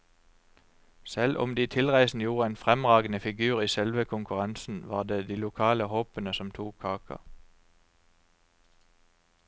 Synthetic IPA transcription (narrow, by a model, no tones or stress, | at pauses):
sɛlʔɔ̰md̪iːt̪ʰɪlʁæɪsn̩juːʁəeːnfʁɛmʁɑːɡən̩əfɪɡʉːʁiːsɛlʋəkʰʊŋkʉʁɑnsn̩ʋɑ̰ːʁd̪eːd̪iːlʊkʰɑːləhoːpənəsɔmt̪ʰuːkʰːɑːkʰə̰